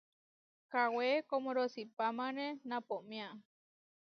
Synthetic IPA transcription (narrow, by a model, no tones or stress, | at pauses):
kawekomõɾosipamãnẽnãpomĩa